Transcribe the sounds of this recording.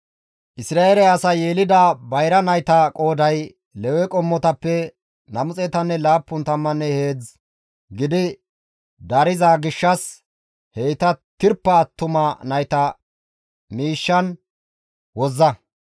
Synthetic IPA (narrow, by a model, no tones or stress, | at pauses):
ʔɪsɾaːɛlɛɐsɐje̞ːlɪd̪abɐjɾɐnɐjt̪ɐkʼo̞ːd̪ɐj | lɛwɛkʼɔmːɔt̪ɐpːɛ | nɐmʊt͡sʼɛt̪ɐnːɛlaːpːʊnt̪ɐmːɐnːɛhe̞ːd͡z | ɡɪd̪ɪ | d̪ɐɾɪzaːɡɪʃːɐs | hɛjt̪ɐt̪ːɪɾpːɐːt̪ːʊmɐnɐjt̪ɐ | miːʃːɐn | wɔzːɐ